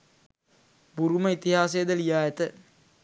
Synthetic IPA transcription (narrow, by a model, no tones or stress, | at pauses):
buɾuməit̪iɦaːsejəd̪əlijaːet̪ə